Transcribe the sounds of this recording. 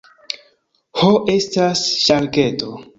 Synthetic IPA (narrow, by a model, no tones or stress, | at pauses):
hoʔe̞stasʃalke̞to̞